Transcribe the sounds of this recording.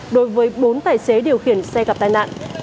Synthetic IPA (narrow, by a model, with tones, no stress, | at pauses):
ɗo˨˦jvəː˨˦jɓo˨˦nt̪aː˧˩jse˨˦ɗi˨˩əwxi˧˩ənsɛ˧ɣa˨˩p̚t̪aː˧jna̰ː˧˨nʔ